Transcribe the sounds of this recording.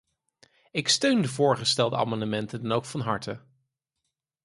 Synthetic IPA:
ɪkstøɥndəvʊːɹχəstɛlˠdəa̰ːmɑndəmɛntədɑnowkfɑnɦɑɹtə

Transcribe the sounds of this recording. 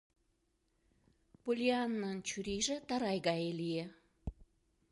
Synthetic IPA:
pulʲianːɑnt͡ɕuɾiʒĕt̪ɑɾɑjɣɑelie

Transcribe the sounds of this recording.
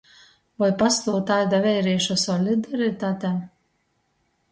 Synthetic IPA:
vajpast̪uːt̪ajd̪avʲɛjɾiɛʃɔsɔlʲid̪aɾit̪aːt̪ʲɛ

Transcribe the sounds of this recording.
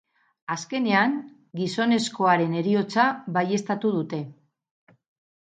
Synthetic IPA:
aske̞ne̞aŋ | ɡiso̞ne̞sko̞aɾe̞ne̞ɾio̞t͡saβaje̞st̪at̪uð̞ut̪e̞

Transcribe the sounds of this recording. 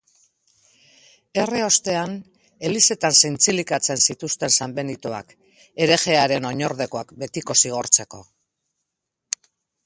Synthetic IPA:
e̞reo̞st̪e̞an | e̞lise̞t̪ansejnt͡silikat͡se̞nsit̪ust̪e̞nsambe̞nit̪oa̰k | e̞ɾe̞ɣe̞aɾe̞no̞ɲo̞ɾðe̞ko̞akbe̞t̪iko̞siɣ̞o̞ɾt͡se̞ko̞̰

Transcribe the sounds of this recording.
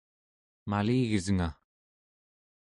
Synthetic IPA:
maliːɣəzəŋa

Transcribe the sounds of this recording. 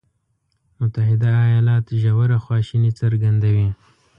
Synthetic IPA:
mʊt̪ahɪd̪aːjɑlɑt̪ʒawaɾaxwɑʃinit͡saɾɡand̪awi

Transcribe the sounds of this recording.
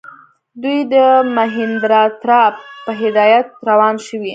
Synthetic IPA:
d̪ujd̪əmaɦɪnd̪ɾɑt̪ɾɑppəɦɪd̪ɑjat̪̚ɾawɑnʃəwi

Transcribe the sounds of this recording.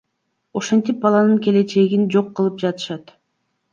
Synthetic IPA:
o̞ʃe̞nt̪ip̚bɑlˠɑnɯŋke̞le̞t͡ʃe̞ɡind͡ʒo̞qːɯlˠɯp̚d͡ʒɑt̪ɯ̥ʃɑt̪

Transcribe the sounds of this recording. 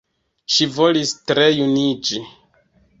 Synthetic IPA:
ʃivo̞listɾe̞junid͡ʒi

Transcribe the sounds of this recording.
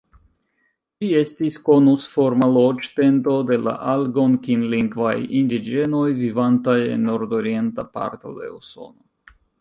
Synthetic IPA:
d͡ʒie̞stisko̞nusfo̞ɾmalod͡ʒt̪e̞nto̞de̞la̰ʔalɡo̞nkinliŋɡvajindid͡ʒe̞no̞jvivantaje̞̰nːo̞ɾdoɾie̞ntapa̰ɾt̪o̞̰d̪e̞̰uso̞̰no

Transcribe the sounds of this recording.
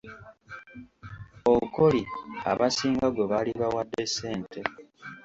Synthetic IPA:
okolia̰βasiːŋɡaɡo̞βaliβawadːese̞ːnte

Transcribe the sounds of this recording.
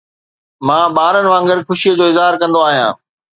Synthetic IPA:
mãːɓaːɾənɪ̆ʋãːŋɡɪɾxʊʃijəd͡ʑoːɪzaːɾkɐ̃nd̪oaːɦijã̰ː

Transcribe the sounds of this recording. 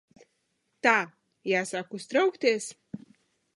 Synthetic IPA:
t̪a | jaːsakust̪ɾɐwkt̪ʲeːsʲ

